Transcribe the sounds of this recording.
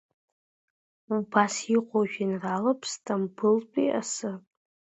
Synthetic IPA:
ubasiqʷʼoʒᶣɪnralapʰstʰʼambɨlpʼḭʔa̰sɨ

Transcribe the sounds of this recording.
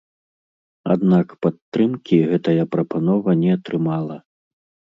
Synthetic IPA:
a̰d̪nakpat̪ːɾɨmkʲiɣɛt̪ɐjɐpɾɐpanɔvɐnʲɛɐt̪ɾɨmalˠɐ

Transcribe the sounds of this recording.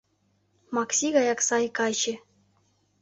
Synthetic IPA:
mɑksʲiɣɑjɑksɑjkɑjt͡ɕɘ̆

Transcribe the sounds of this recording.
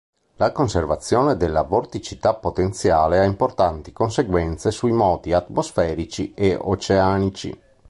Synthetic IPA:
lakonservat̪sːjɔːned̪elːavort̪it͡ʃit̪apːot̪ent̪sjaːleaimport̪ant̪ikonseɡwɛnt̪sesuimɔːt̪iat̪mosfɛːɾit͡ʃieo̰t͡ʃeanit͡ʃḭ

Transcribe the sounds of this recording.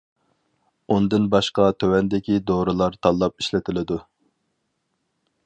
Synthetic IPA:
und̪ɨnbɑʃqɑt̪ʰøwɛnd̪ɪkʲid̪oɾɨlˠɑɾt̪ʰɑlˠːɑp̚iʃlɪt̪ʰɪlɪd̪u

